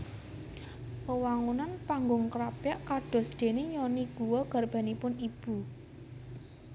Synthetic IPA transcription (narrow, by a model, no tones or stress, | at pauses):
pəwaŋunanpaŋɡʊŋkɾapjaʔkaɖ̥ɔ̤sd̪̥e̤nejɔniɡ̥uwɔɡ̥a̤rb̥a̤nipʊnib̥ṳ